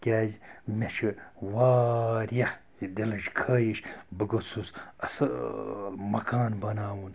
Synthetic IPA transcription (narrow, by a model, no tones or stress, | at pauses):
kʲaːzʲmʲeʃʰiwaːɾjɐh | d̪ʲelɐʃkʰɐːjiʃbɨɡot͡sʰusɐs | mɐkaːnbɐnaːwun